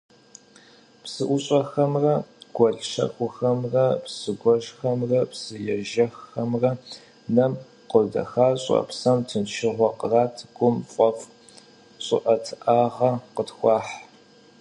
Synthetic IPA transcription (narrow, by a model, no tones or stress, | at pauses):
psɨʔʷʊɕʼɐxɐmrɐɡ̥ʷɔɮʃɐ̰xʷʊxɐmrɐpsɨɡʷɔʃxɐmrɐpsɨjɛʒɐxːɐmrɐ | nɐm | qʊdɐ̰xaːɕʼɐ̰psɐmtʰɨnʃɪʁʷɔqəraːtʰɡʷʊmfʼɔf | ɕʼʊʔɐtʰʔaːʁɐqətxʷɑːħ